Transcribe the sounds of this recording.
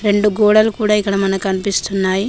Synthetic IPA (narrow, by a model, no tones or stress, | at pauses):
ɾe̞ɳɖuɡɔːɽɐlukuːɽaːikːɐɽɐmɐnɐkɐnipist̪unːaːji